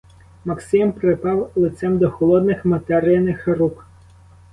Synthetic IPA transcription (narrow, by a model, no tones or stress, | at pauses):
mɐksɪmpɾɪpɑwlˠɪt̪sɛmd̪ɔxɔlˠɔd̪nɪxmɐt̪ɛɾɪjɐnɪxɾuk